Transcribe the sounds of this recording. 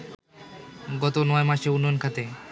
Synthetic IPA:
ɡɔt̪onɔemaʃeunːɔjonkʰat̪e

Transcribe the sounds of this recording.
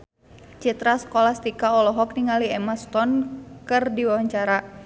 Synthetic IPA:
t͡ʃit̪ɾasə̥kolahst̪ikaɔlɔɦɔk̚niŋaliɛmast̪ɔnkɨrdiwawaɲt͡ʃaɾa

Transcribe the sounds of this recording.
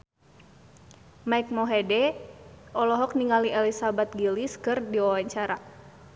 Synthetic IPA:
maik̚mɔɦɛdɛ | ɔlɔɦɔk̚niŋaliʔɛlisabat̪̚ɡiliskɨrdiwawaɲt͡ʃaɾa

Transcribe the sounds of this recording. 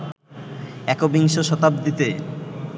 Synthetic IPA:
ɛkobiŋʃoʃɔt̪ap̚d̪it̪e

